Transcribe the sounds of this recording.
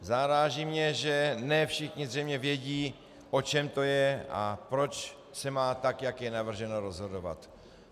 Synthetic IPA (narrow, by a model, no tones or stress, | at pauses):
zaɾaːʒiːmɲɛʒɛnɛfʃɪxɲɪzrɛjmɲɛvjɛɟiː | ʔo̞t͡ʃɛmt̪o̞jɛa̰pɾo̞t͡ʃ | sɛmaːt̪akjakjɛnavr̩ʒɛnoɾozɦo̞dova̰t̪